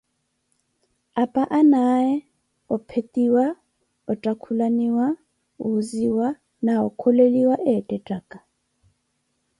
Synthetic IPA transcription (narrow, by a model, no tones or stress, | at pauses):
apʼaʔanajɛ | ɔpʰetʼiwa | ɔtʼakʰulaniwa | uziwa | naɔkʰɔleliwaʔɛtʼɛtʼaːkʼa